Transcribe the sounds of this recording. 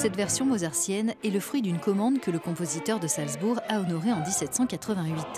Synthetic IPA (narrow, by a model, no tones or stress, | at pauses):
sɛt̪vɛʁsjɔ̃mozaʁsjɛnɛləfχɥid̪ynkɔmɑ̃d̪kələkɔ̃pozit̪œʁd̪əsalzbuʁaɔnɔʁeɑ̃d̪isɛt̪sɑ̃kat̪χəvɛ̃ɥit̪